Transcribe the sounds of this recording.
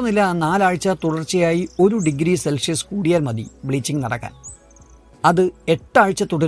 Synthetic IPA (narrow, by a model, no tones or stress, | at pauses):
ɐmnilːɐnaːlaːɻt͡ɕːɐt̪uɽɐrt͡ɕːɐjaːjio̞ɾuɖiɡɾiselʂiskuːɽijaːɾmɐðḭbɭiːt͡ɕːiŋɡnɐɽɐ̰kːa̰ːn | ɐðɨe̞ʈːaːɻt͡ɕːɐt̪uɽɐɾ